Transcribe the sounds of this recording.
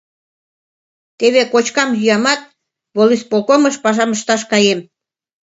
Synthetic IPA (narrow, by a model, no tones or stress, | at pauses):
t̪eβekot͡ɕkɑmjyɑmɑt̪̚ | βolispolkoməʃpɑʒɑməʃt̪ɑʃkɑjem